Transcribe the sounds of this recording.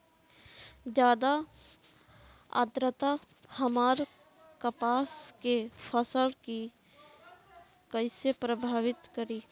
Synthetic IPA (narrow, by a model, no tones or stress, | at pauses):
d͡ʒjaːd̪a | a̰d̪ɾət̪a | həmaːɾ | kəpaːskepʰəsəlki | kəɪsepɾəbʱaːʋɪt̪kəɾiː